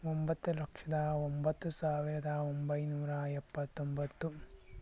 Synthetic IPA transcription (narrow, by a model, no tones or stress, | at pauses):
ombɐt̪ːulɐkʂɐd̪ɐombɐt̪ːusaːʋiɾɐd̪ɐombɐjnuːɾɐɛpːɐt̪ːombɐt̪ːu